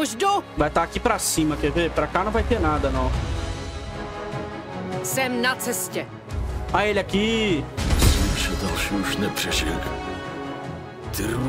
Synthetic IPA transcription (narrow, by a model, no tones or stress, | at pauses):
oʒdovajt̪akipɾasĩmɐkevepɾakanɐ̃w̃vajt̪eɾnad̪ɐnɐ̃w̃ | sɛmnat͡sɛscɛ | aelʲɪaki | simʃod̪ɛlʃuʃnɛpr̥ɛʒɛɡ | t̪ɾ